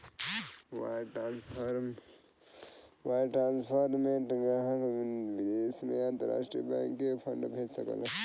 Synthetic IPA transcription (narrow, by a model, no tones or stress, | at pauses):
wa̰ʈanspʰəɾ | ʋaʈɾaːnspʰəɾmeʈɡɾaɦəkbid̪esmeənt̪əɾa̰ːʂʈɾijəbã̰ːŋkːepʰəɳɖbʱed͡ʒsə̰kə̰l